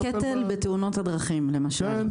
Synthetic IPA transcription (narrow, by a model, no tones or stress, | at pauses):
ket̪elbet̪euno̞t̪had̪ʁaχimlemaʃal